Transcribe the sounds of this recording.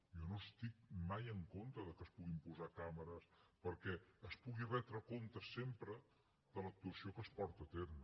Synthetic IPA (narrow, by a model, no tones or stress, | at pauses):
jɔnost̪ik̚majəŋkont̪ɾəðəkəspuɣimpuzakaməɾəspəɾkɛəspuɣirɛt̪ɾəkont̪əsempɾə | d̪ələk̚t̪uəsiokəspɔɾt̪ət̪erm